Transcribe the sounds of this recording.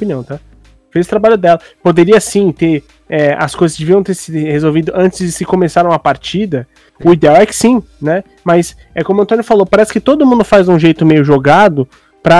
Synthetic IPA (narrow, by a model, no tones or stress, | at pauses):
opiniɐ̃w̃t̪a | fejzʊt̪ɾabaʎʊd̪ɛlɐpod̪eɾiɐsĩt̪eɾ | ɛɐ̰skojzɐsd͡ʒeviɐ̃w̃t̪eɾsid̪ʊhezowvid̪ʊʔɐ̃nt͡ʃɪzsɪkomesaɾɐ̃w̃ɐpaɾt͡ʃid̪ɐ | ʊid̪eawɛkɪ̥sĩ | nɛ | mɐs | ɛkõmʊɐ̃nt̪õnjʊfalopaɾɛsɪ̥kɪt̪od̪ʊmũnd̪ʊfajzũʒejt̪ʊmejʊʒoɡad̪ʊ | pɾɐ